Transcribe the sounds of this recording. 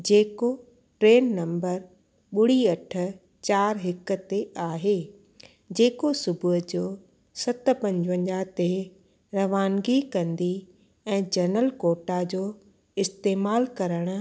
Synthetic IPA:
d͡ʑeːko | ʈɾeːnːɐ̃mbəɾ | ɓʊɽ̤iɐʈʰʊ̆ | t͡ɕaːɾɦɪkʊ̆t̪eaːɦeː | d͡ʑeːkosʊbʱʊɦʊd͡ʑoː | sɐt̪ʊ̆pɐ̃ɲd͡ʑʋə̃ɲd͡ʑat̪e | ɾɐʋaːnɡikɐ̃nd̪i | ɛ̃ːd͡ʑɐnəlkoːʈad͡ʑoː | ɪst̪eːmaːlkɐɾəɽ̃ʊ

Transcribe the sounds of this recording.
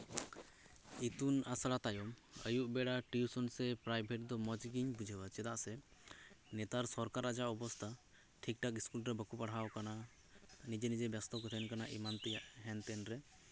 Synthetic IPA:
it̪unasaɽat̪ajɔməjuʔbɛɽaʈiusɔnsɛpɾajbʱɛʈ̚d̪ɔmɔd͡ʒɡiɲbud͡ʒʱɛwat͡ʃɛd̪aʔsɛ | nɛt̪aɾsɔɾkaɾad͡ʒaʔɔbɔst̪ʰa | ʈʰik̚ʈakiskulɾɛbəkupaɽ̤awkana | nid͡ʒɛnid͡ʒɛbjast̪ɔkɔt̪ʰɛnkanaʔḭmant̪ɛjaʔɦɛnt̪ɛnɾɛ

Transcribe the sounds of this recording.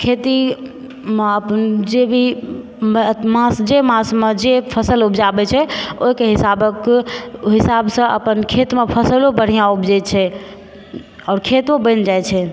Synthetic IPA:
kʰet̪i | meəpənd͡ʒebʱi | mmãsd͡ʒemãsmed͡ʒepʰəsəlubʱd͡ʒabɛt͡ʃʰɛoɦikeɦisabəkɦisabsə̃ʔə̰pənkʰet̪mepʰəsəlobəɽ̤ijãubd͡ʒɛt͡ʃʰɛ | ɔːɾkʰet̪obə̃nd͡ʒajt͡ʃʰɛ

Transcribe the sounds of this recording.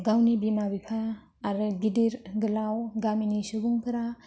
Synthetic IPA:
ɡawnibimabikʰaː | ɾɯɡidiɾɡɯlawɡaminisuɡuŋkʰɯɾa

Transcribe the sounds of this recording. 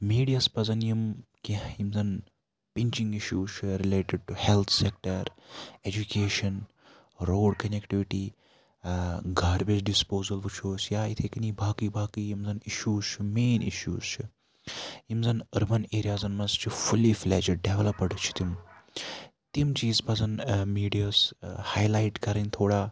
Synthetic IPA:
miːɖijaspɐzɐnjimkiimzɐn | pint͡ʃiŋɡiʃjuːzt͡ʃʰɾileːʈɪɖ̚ʈuhelt̪ʰsek̚ʈɐɾed͡ʒukeːʃɐn | ɾoːɖkɐnekʈiʋiʈiː | ɡʱaːɽbet͡ʃɖispoːzɐlput͡ʃʰoːsjaːit̪ʰekɐnibʱaːkibʱaːkijimzɐniʃjuːzt͡ʃʰimeːnḭʃjṵːz̥t͡ʃʰi | jimzɐnɐɾbɐneːɾijaːzɐnmɐzt͡ʃʰifʰuliflɛ̰ːd͡ʒɐɖeʋelɐpɐɽt͡ʃʰi̥t̪im | t̪imt͡ʃiːzpɐzɐnmiːɖijaːshaːjlaːjʈkɐɾɐnt̪ʰoːɽaː

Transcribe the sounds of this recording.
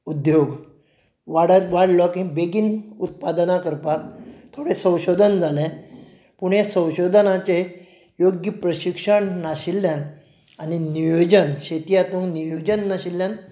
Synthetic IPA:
ud̪joɡ | ʋaɽəʋaɽlɔkĩbeɡiːnut̪̚pad̪nakəɾpat̪ʰoɽesə̃w̃ɕod̪ʱənd͡zalɛ̃ | puɳesə̃w̃ɕod̪ʱənat͡ɕe | joɡjəpɾəɕikʂəɳnaɕilːjan | aninijod͡ʑənɕet̪ijat̪ũŋnijod͡ʑənːaɕilːjan

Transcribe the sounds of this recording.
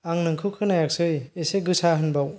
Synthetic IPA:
aŋnɯŋkʰɯkʰɯnajak̚sɯjeseɡɯsaɦɯnbaw

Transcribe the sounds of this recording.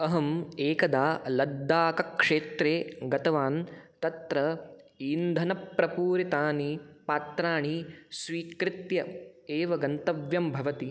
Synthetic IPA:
ɐɦɐmeːkɐd̪aːlɐd̪ːaːkɐkʂeːt̪ɾeːɡɐt̪ɐʋaːnt̪ɐt̪ɾɐ | ind̪ʱɐnɐpɾɐpuːɾit̪aːnipaːt̪ɾaːɳisʋiːkɾɪt̪jɐeːʋɐɡɐnt̪ɐʋjɐmbʱɐʋɐt̪i

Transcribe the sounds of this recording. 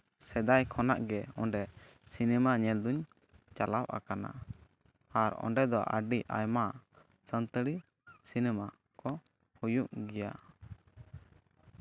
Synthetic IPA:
sɛd̪ajkʰɔnaʔɡɛɔɳɖɛ | sinɛmaɲɛld̪uɲ | t͡ʃalapa̰kana̰ | aɾɔ̰ɳɖɛd̪ɔʔə̰ɖiʔa̰jma | sənt̪əɽi | sinɛma | kɔ | hujuʔɡɛja̰

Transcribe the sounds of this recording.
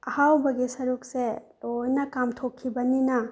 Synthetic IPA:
ɐhawbɐɡisɐɾuk̚selojnɐkamtʰokʰːibɐninɐ

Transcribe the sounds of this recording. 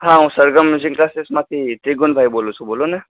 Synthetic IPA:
ɦãũsəɾɡəmjuzikklasesmat̪ʰit̪ɾiɡunbʱajbolũt͡sʰubolonɨ

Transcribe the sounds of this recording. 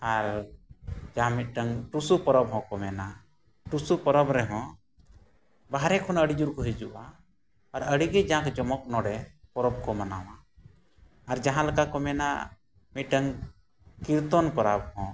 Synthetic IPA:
aɾ | d͡ʒaɦãmiʈəŋʈusupɔɾɔbɦɔ̃kɔmɛna | ʈusupɔɾɔbɾɛɦɔ̃ | baɦaɾɛkʰɔnəɽid͡ʒuɾkɔɦid͡ʒuʔaː | ɾəɽiɡɛd͡ʒãkd͡ʒɔmɔk̚nɔɖɛpɔɾɔb̚kɔmanawaː | ɾd͡ʒaɦãlakakɔmɛna̰ | miʈəŋ | kiɾt̪ɔnpɔɾabhɔ̃

